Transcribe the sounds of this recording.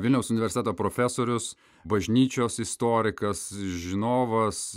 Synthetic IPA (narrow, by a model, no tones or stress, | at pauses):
ʋʲɪlʲnʲɛʊsʊnʲɪʋʲɛɾsʲt̪ʲɛt̪oːpɾoːfʲæːsoːɾʲʊs | bɐʒʲnʲiːt͡ʃʲoːsɪst̪oːɾʲɪkɐsʒʲɪnoːʋɐs